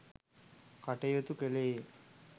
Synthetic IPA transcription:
kaʈejot̪ukelee

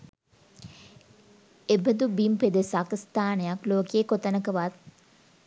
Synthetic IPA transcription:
ebəd̪ubimped̪esakst̪aːnejakloːkeːkot̪ənəkəʋat̪̚

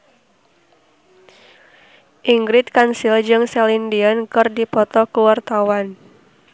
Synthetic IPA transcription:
ʔiŋɡɾɪt̪̚kansild͡ʒɨŋsɛlindiɔnkɨrdipɔt̪ɔkəwart̪awan

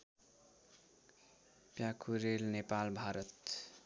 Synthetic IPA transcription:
pjakʰuɾelnepalbʱaɾʌt̪

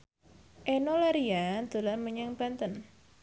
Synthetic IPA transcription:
ʔenolaɾiad̪̥o̤lanməɲəŋpant̪ən

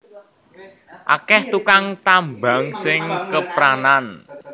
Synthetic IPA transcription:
ʔa̰kɛht̪ukaŋt̪ambaŋsɪŋkəpɾanan

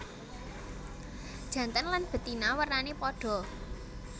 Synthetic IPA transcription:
d̥ʒ̥ä̤nt̪ənlanb̥ə̤t̪inawərnanepɔɖ̥ɔ̤

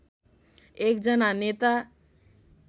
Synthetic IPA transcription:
ek̚d͡ʒʌnanet̪a

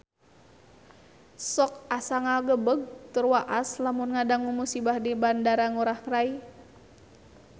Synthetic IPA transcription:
sɔk̚asaŋalɡəbəɡ̚t̪ərwaʔaslamʊnŋadaŋumusibahdibandaɾaŋuɾaht̪ɾai

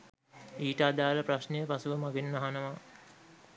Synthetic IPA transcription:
iːʈaːd̪aːləpraʃnejəpasuʋəmaɡenːaɦanəʋa

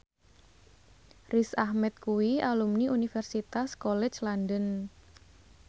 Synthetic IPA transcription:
risahmɛt̪̚kuwialumniʔunifɛrsit̪askolɛ̥t͡ʃlandən

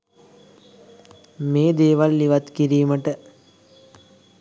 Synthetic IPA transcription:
meːd̪eːʋalːiʋat̪kiɾiːməʈə

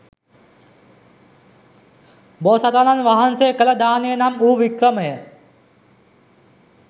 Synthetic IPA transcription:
bosat̪ananʋaɦɐnsekələd̪aːnejənamuːʋikɾəməjə

